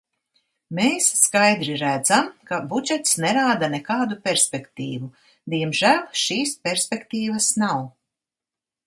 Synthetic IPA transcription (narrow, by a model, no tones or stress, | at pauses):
meːsːkajd̪ɾiɾæd̪zamkabud͡ʒɛt̪snɛɾaːd̪anekaːd̪upʲeɾspʲekt̪iːvu | d̪iɛmʒæːlʲˠʃiːspʲeɾsʲpʲekt̪iːvɐsnaw